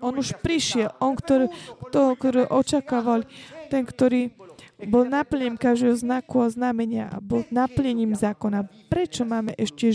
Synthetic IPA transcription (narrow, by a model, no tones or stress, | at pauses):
ɔnuʃpɾiʃɪɛlʔɔnkt̪ɔɾɛkt̪ɔkt̪ɔɾɛʔɔt͡ʃakaːʋalt̪ɛnkt̪ɔɾiːbɔlnapl̩ɲɛɲimkaʒd̪ɛːɦɔznakuaznamɛɲɪaa̰bɔlnaplɲɛɲiːmzaːkɔnapɾɛt͡ʃɔmaːmɛʔɛʃcɛ